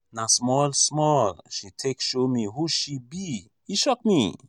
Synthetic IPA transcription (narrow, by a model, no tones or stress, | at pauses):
nasmɔlsmɔlʃitʰekʃomihuʃibi | iʃɔk̚mi